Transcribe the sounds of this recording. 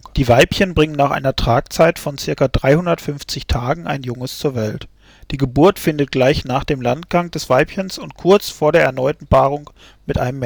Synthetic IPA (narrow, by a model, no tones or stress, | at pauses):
d̥iːvaɪpçənbʁɪŋənaːχʔa̰ɪnɐtʁ̥aːkt͡saɪtfɔnt͡sɪɐkadʁaɪhʊndɐtfʏnft͡sɪçtʰaːɡŋ̩ʔa̰ɪnjʊŋəst͡suːɐvɛlt | d̥iːɡəbʊɐtfɪndət̚ɡ̥laɪçnaːχd̥eːmlantɡ̥aŋd̥ɛsv̥aɪpçənsʊntkʰʊɐt͡sfoːɐɾeːɐɛɐnɔʏtn̩baːʁʊŋ | mɪtʔa̰ɪnəmːɛ